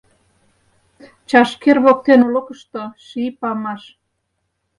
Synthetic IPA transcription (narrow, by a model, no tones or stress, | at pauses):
t͡ɕɑʃkerβok̚t̪enulɤ̆kə̆ʃt̪oʃipɑmɑʃ